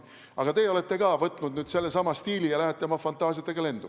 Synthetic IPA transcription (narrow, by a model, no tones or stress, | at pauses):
ʔɑɡ̥ɑt̪e̞o̞le̞t̪ːˑe̞kɑːvɤt̪ˑnud̪nyːd̪̥se̞lːesɑmɑst̪iːlijɑlæɦet̪ːˑemɑfɑnt̪ːˑɑːsiɑt̪ːˑeɡɑle̞nd̪̥u